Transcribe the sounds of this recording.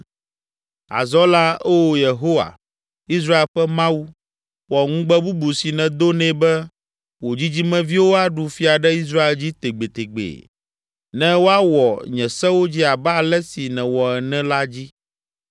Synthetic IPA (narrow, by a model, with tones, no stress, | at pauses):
a̰˨zɔ˦la˦e˦wo˦je˨ɦo˦wa̰˨ | i˦s̬ɾa˦e˨lɸɛ˦mã˦wu˦ | wɔ˨ŋũ˦ɡ͡bɛ˦bu˦bu˨si˨nɛ̃˨d̪o˦nɛ̃˦bɛ˦ | wo˨d͡ʑi˦d͡ʑi˦mɛ̃˦vi˦wo˦a˦ɖu˨fi˦a˨ɖɛ˦i˦s̬ɾa˦e˨ld͡ʑi˦t̪e˨ɡ͡be˨t̪e˨ɡ͡bḛ˨ | nɛ̃˦wo˦a˦wɔ˨ɲɛ̃˨sɛ̃˦wo˦d͡ʑi˦a˨ba˦˨lɛ˦si˨nɛ̃˨wɔ˨ɛ˨nɛ̃˦la˦d͡ʑi˦